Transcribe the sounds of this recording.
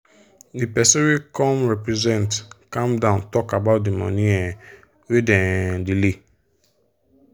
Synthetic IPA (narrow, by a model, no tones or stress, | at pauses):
dipɛsõwekɔ̃mɹɛpɹɛzɛ̃ntkãmdãʊ̃ntɔkabaʊt̚dimɔ̰̃nĩɛ | wedɛ̃dili